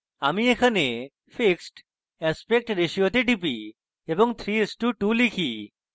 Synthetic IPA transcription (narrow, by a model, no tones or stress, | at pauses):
amiekʰane | fʰiksʈ | ɛspek̚ʈɾeʃiot̪eɖipi | eboŋt̪ʰɾiesʈuʈulikʰi